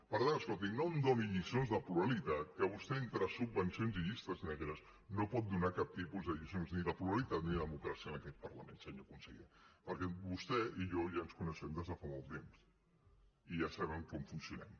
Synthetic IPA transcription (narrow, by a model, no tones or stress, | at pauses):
pəɾðaəskolˠt̪̬inond̪oniʎisonzðəpluɾalit̪at̪̚kəβust̪ɛent̪ɾəsubbənsionziʎist̪əznɛɣeɾəz | nopɔt̪̚d̪unakap̚t̪ipuzðəʎisonzniðəpluɾalit̪at̪niððəmukɾasiənəkɛt̪̚pərləmḛ̃nsəɲokunsəɣḭpəɾkɛbust̪ɛiʎɔʒaənskunəʃɛmd̪əzðəfamɔlˠt̪ems | iʒasaβəmkɔmfunsiunɛ̰m